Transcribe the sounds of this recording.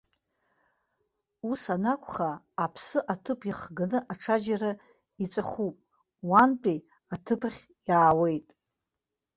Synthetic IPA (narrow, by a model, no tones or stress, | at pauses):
usanakʷʰʼχaː | pʰsɨʔatʰɨpʰiχɡanɨʔaʈ͡ʂʰad͡ʒara | it͡sʼaχupʼ | wantʼi | atʰɨpʰχʲ | jaːwe̞jtʼ